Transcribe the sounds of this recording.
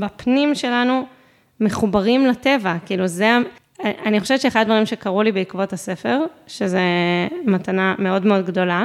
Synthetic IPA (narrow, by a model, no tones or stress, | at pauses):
bapnimʃe̞lanu | me̞χubaʁimlate̞vakiiːluzea | ʔaniχo̞ʃevɛtt͡ʃeχadadvaʁimʃekaʁulibeikvo̞thase̞fe̞ʁʃezemat̪aname̞o̞dme̞o̞dɡdo̞la